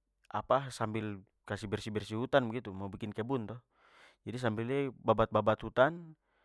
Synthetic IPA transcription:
ʔa̰pasambil | kasibɛrsibɛrsiɦut̪anbɛɡit̪umaubikinkɛbunt̪ɔh | d͡ʒadis̬ambilɛbabat̪̚babat̪hut̪an

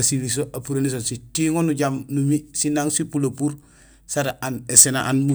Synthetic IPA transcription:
siβis̬oʔapuɾenis̬ositiŋonuɟamnumisinaŋsipulopuɾ | saɾaʔanesenaʔanmu

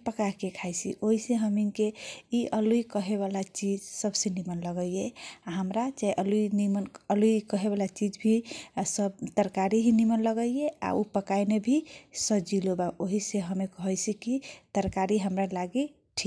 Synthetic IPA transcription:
pəkaɦkekʰajt͡ʃʰḭʔoɦiseɦəminkeiʔəluikəɦeβalat͡ʃid͡ʒsəbsenimənləɡəjeaɦəmɾat͡ʃaiʔəluinimənəlujkəɦeβalat͡ʃid͡ʒbʱisəbt̪əɾkaɾiɦinimənləɡəjea̰upəkajnebʱisəd͡ʒilobaʔoɦiseɦəmekəɦəjt͡ʃʰikit̪əɾkaɾiɦəmɾalaɡi | ʈʰik

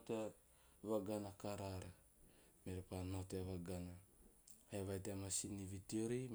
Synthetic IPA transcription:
te | vaɡanakaɾaɾa | meɾepano̞teβaɡana | heβajtemasinivitioɾi

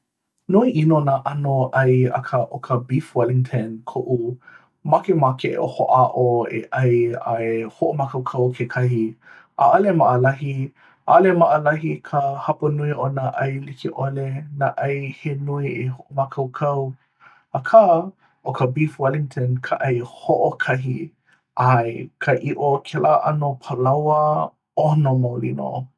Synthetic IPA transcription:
nuiʔinonaːʔɐnoʔɐjɐ̰kʰaʔokʰəbifwaliŋtʰənkʰoʔu | makemakʰeʔḛʔoho̰ʔaʔoḛʔɐja̰ehoʔomakɐwkʰɐwkʰekʰɐhi | ʔa̰ʔɐlemaʔəlɐɦi | ʔalemaʔəlɐɦikʰəhɐpɐnuiʔonaʔɐjlikʰiʔolenaʔɐjhenuiehoʔomakʰɐwkʰɐw | akʰa | okʰəbifwaliŋtʰənkʰaʔɐjhoʔokʰɐɦi | ʔaekʰəʔiʔokʰɛlaːʔɐnopʰəlawə | onomawlḭno̰

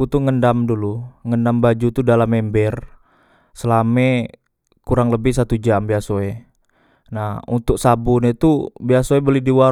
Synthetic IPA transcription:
ut̪uŋəndamduluŋəndambad͡ʒut̪udalamɛmbɛr | səlamɛ | kuɾaŋləbɪhsat̪ud͡ʒambiasoe | nahṵnt̪ʊk̚sabunet̪ubiasoebəlidiwa

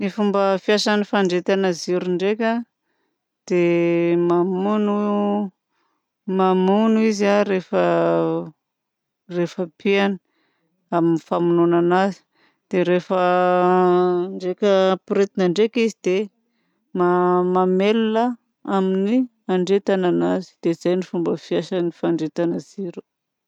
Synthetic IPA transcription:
nifumbəfiasanifaɳɖ͡ʐet̪anaziɾuɳɖ͡ʐekʲa | d̪̥emamunu | mamunuizaɾefə | refəpiani | aminifamununanazi̥ | d̪̥eɾefə | ɳɖ͡ʐekʲəpɾet̪inaɳɖ͡ʐekizid̪̥e | mamamelunə | amini | aɳɖ͡ʐet̪ananazi̥d̪̥ezajnifumbəfiaʃənifaɳɖ͡ʐet̪anəz̥iɾu̥

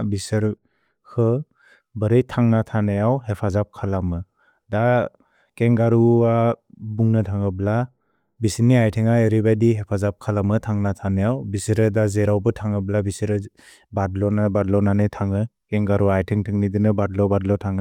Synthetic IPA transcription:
bisɯɾ | kʰɯ | bɯɾɯjtʰaŋnatʰanajawɦepʰazap̚kʰalamɯ | da | keŋɡaɾuabuŋnɯtʰaŋɯbla | bisiniajtʰiŋaeɾibajdiɦepʰazap̚kʰalamɯtʰaŋnatʰanajawbisɯɾɯdazeɾawbɯtʰaŋɯblabisɯɾɯ | badlɔnabadlɔnanɯtʰaŋɯ | keŋɡaɾuajtʰɯŋtʰɯŋnidɯnɯbadlɔbadlɔtʰaŋɯ

